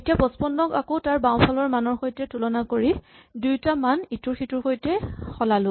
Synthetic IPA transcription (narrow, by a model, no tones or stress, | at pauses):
etiabɔspɔnːɔkakotaɹbãwpʰalɔɹmanɔɹxojtɛtulɔnakoɹi | dujtamanituɹxitʊɹxojtɛxɔlalʊ